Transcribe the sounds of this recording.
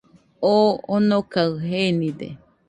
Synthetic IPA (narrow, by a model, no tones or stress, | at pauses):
oonokaɨɦenĩd̪ḛ